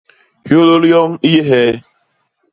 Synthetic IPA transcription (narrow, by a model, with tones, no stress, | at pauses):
hjo˦lo˦ljɔ˦ŋ̩˦i˦je˦ɦeː˦